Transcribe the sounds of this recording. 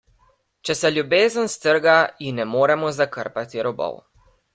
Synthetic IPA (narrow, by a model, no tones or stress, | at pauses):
t͡ʃɛsɛljubeːzənst̪əɾɡainːɛmoːɾɛmɔzakəɾpat̪iɾɔbɔ̰w